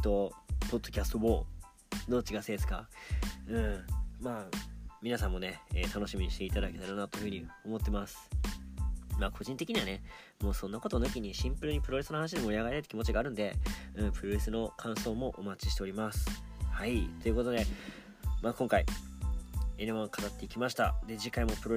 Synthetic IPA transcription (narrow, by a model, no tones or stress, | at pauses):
t̪o̞po̞d̪ːo̞kʲast̪o̞boː | d̪o̞ːt͡ɕiɡased̪esɨ̥ka̰ | ɯ̟̃ɴmaːmʲinasãmːo̞ne̞eːt̪ano̞ɕimʲiɲ̟iɕt̪e̞it̪ad̪ake̞t̪aɾanat̪o̞ɸɯ̟ɲ̟io̞mo̞t̪ːe̞masɨ̥ | maːkʰo̞ʑĩnt̪e̞kʲiɲ̟iβane | mo̞ːsonːako̞t̪o̞nɯ̟kʲiɲ̟iɕĩmpɯ̟ɾɯ̟ɲ̟ipɯɾo̞ɾe̞sɨnohanaɕid̪e̞moɾiaɡaɾet̪at̪e̥kʲimo̞t͡ɕiɡaːɾɯ̟̃nd̪e̞ɯ̟̃pɯ̟ɾo̞ɾe̞sɨno̞kʰãɰ̃so̞ːmo̞ʔomat͡ɕiɕi̥t̪e̞o̞ɾʲimasɨ̥hait̪o̞jɯ̟ko̞t̪o̞d̪e̞ | maːkõ̞ŋkai | eɾeβãkḁt̪at̪ːe̞ikʲimaɕ̬i̥t̪ad̪e̞d͡ʑikːaimo̞pɯ̟ɾo